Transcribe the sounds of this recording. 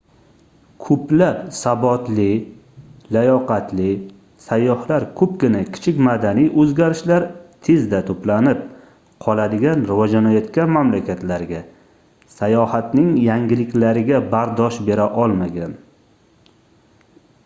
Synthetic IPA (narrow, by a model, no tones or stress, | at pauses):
kʰɵplapsabɒt̪lɪ | lajɒqat̪lɪ | sajːɒhlaɾkʰɵpɡʲɪnakʲʰɪ̥t͡ʃʰɪkʲmad̪anijʔɵzɡʲaɾɪʃlaɾt̪ʰezd̪at̪ʰoplanɪp̚ | qʰɒlˠad̪ɪɡʲanɾɪvɒd͡ʒanɒjat̪kʲamamlakʲʰat̪laɾɡʲa | sajɒhat̪nɪŋjaŋɡʲɪlɪkʲlaɾɪɡʲabaɾd̪ɒʃbe̞ɾaʔɒlˠmaɡʲan